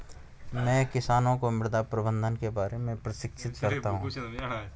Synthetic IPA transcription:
mɛ̃ːkɪsaːnõkomɪld̪apɾəbə̃nd̪ʱənkebaːɾemẽpɾɐʃɪkʃʰɪt̪kɐɾaɦɦũː

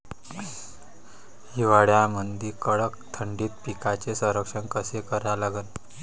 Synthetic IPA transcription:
jiʋaɽjamənd̪ʱiːkəɭəkt̪ʰəɳɖiːt̪̚pikat͡sesə̃ɾəkʂəɳkəsekəɾjalaɡən

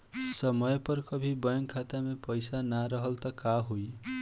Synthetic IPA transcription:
sʌmʌjpʌrkʌbʱibʌjʌŋkʰat̪amepʌjsanaɾʌɦʌlt̪ʌkaɦuj

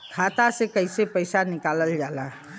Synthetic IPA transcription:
kʰat̪asẽkəɪsepəɪsanikaləld͡ʒalã

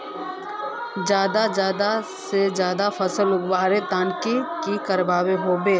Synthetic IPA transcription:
d͡ʒjaːd̪ad͡ʒjaːd̪a | sezjaːd̪afɐsəlʊɡwaːɾet̪ãːnkikikɐɾbaːweɦoːbeː

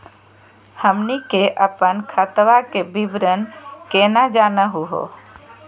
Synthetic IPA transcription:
həmnikeʔəpənkʰət̪ʋakebibɾənkenad͡ʒaːnəɦuɦo̰

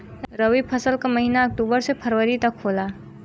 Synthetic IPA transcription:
ɾəʋipʰɐsəlkamɐɦinaɐk̚ʈuːbəɾsepʰɐɾwəɾit̪ɐkʰoːlaː

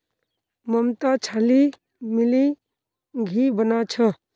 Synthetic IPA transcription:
məmt̪at͡ʃʰali | mili | ɡʱibənat͡ʃʰə

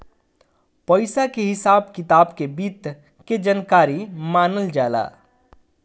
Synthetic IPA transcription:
pəɪsakeɦɪsaːbkɪt̪aːbkebiːt̪ | ked͡ʒənkaːɾimaːnəld͡ʒaːla̰ː

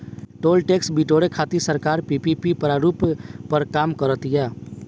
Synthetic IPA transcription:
ʈoːlʈeksbiʈoɽekʰaːt̪isəɾkaːɾpipipipəɾaɾuppəɾkaːmkəɾət̪ijɛ

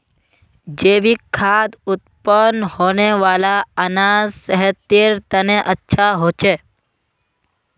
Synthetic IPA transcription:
d͡ʒeːʋikʰːaːd̪ʊt̪pənhoːneʋaːlaənazsəɦɛt̪eɾt̪əneʔətːʃʰaɦoːt͡ʃeː

